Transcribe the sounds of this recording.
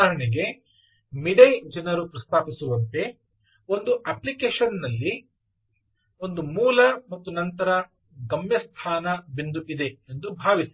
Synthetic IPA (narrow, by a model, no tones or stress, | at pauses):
aːɾɐɳiɡe̞ | miɽɐjd͡ʒɐnɐɾupɾɐst̪ʰaːpisuʋɐnt̪e̞ | o̞nd̪uʔɐplikeːʂɐnːɐlːi | o̞nd̪umuːlɐmɐt̪ːunɐnt̪ɐɾɐ | ɡɐmjɐst̪ʰaːnɐbind̪uʔid̪eend̪ubʱaːʋis